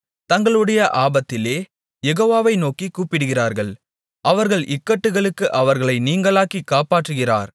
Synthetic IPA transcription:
t̪ɐŋɡɐɭɯɽɐjɐʔaːbɐt̪ːɪleː | jɛɣoːʋaːʋɐɪnoːkikːuːpːɪɽɯɣɪraːɾɣɐɭ | ʔɐʋɐɾɣɐɭʔɪkːɐʈːɯɣɐɭɯkːɯʔɐʋɐɾɣɐɭɐɪniːŋɡɐɭaːkikːaːpaːʈrɯɣɪra̰ːɾ

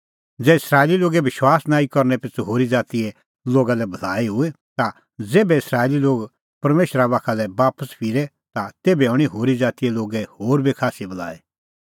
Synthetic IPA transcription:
d͡zɛːɪsɾaːliloːɡɛʋɪʃwaːsnaːikɔɾnɛpɪt͡soɦoːɾid͡zaːt̪iɛ | loːɡalɛbʱɐlaːiɦʊe | t̪a | d͡zeːbɛɪsɾaːeliloːɡ | pɐɾmeːʃɾaʋaːkʰalɛbaːpəspʰiɾɛ | t̪at̪eːbɛʊɽ̃iɦoːɾid͡zaːt̪ijɛloːɡɛhoːɾbʱikʰaːsibʱɐla̰ːe

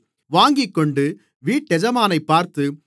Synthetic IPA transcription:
ʋaːŋɡɪkːɔɳɖɯ | ʋiːʈːɛd͡ʒɐmaːnɐɪpːaːɾt̪ɯ

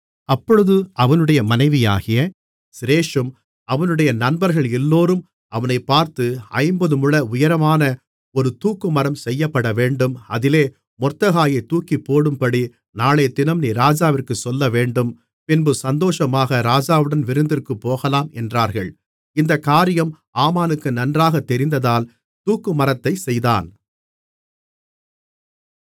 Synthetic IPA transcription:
ɐpːɔɻɯðɯɐʋɐnɯɽɐjɐmɐnɐɪʋɪja̰ːɣɪjɐ | sɪɾeːʂɯm | ɐʋɐnɯɽɐjɐnɐnbɐɾɣɐɭɛlːoːɾɯm | ʔɐʋɐnɐɪpːaːɾt̪ɯɐ̰ɪmbɐðɯmɯɭɐʊjɐɾɐmaːnɐ | ɔɾɯt̪uːkːɯmɐɾɐmsɛjːɐpːɐɽɐʋeːɳɖɯmɐ̰ðɪleː | mɔrt̪ːɐɣaːjɐɪt̪uːkːipːoːɽɯmpɐɽi | naːɭeːt̪ɪnɐmniːɾaːd͡ʒaːʋɪrkɯsɔlːɐʋeːɳɖɯm | pɪnbɯsɐnd̪oːʂɐmaːɣɐɾaːd͡ʒaːʋɯɽɐnʋɪɾɯnd̪ɪrkɯpːoːɣɐlaːmɛndraːɾɣɐɭ | ɪnd̪ɐkaːɾɪjɐm | aːmaːnɯkːɯnɐndraːɣɐt̪ːɛɾɪnd̪ɐðaːl | t̪uːkːɯmɐɾɐt̪ːɐɪsɛjða̰ːn

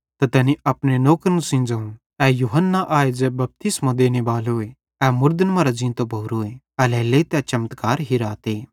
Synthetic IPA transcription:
t̪ɐt̪ɛːniɐpñenoːkɾnũsɪ̃ːnd͡ʒaũ | ɛːjuɦənːaʔaːed͡ʒɛbɐp̚t̪ɪsmãd̪eːnebaːloe | ɛːmʊɾd̪ənmɐ̃ɾad͡ʒĩːnt̪obʱoːɾoːe | ɐlɛːlet̪ɛt͡ʃɐmət̪kaːɾɦiɾaːt̪eː

